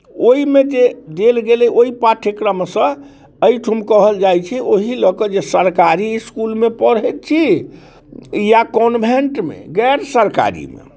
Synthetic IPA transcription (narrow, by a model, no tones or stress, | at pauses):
oimed͡ʒed̪elɡelɛoipaʈʰekɾəmsə̃ | əjʈʰumkəɦəld͡ʒajt͡ʃʰɛʔoɦiləkəd͡ʒesəɾkaɾiskulmepəɾɦɛt̪̚t͡ʃʰi | jakɔnbʱeɳʈmḛɡɛɾsəɾka̰ɾḭmḛ